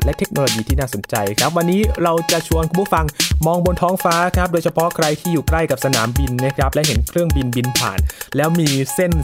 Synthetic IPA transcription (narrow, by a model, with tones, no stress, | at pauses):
lɛ˦˥ʔt̪ʰe˦˥k̚noː˧loː˧jiː˧t̪ʰiː˥˩naː˥˩so˨˩˦nt͡ɕa˧jkʰɾa˦˥p̚wa˧nːiː˦˥ɾa˧wt͡ɕa˨˩ʔt͡ɕʰu˧ənkʰu˧pʰu˥˩fa˧ŋmɔː˧ŋbo˧nt̪ʰɔː˦˥ŋfaː˦˥kʰɾa˦˥p̚doː˧jt͡ɕʰa˧pʰɔ˦˥kʰɾa˧jt̪ʰiː˥˩juː˨˩kla˥˩jka˨˩p̚sa˧naː˩˦mbi˧nma˦˥˩kʰɾa˦˥p̚lɛ˦˥ɦe˩˦nkʰɾɯ˥˩əŋbi˧nbi˧npʰa̰ː˨˩nlɛː˦˥wmiː˧se˥˩n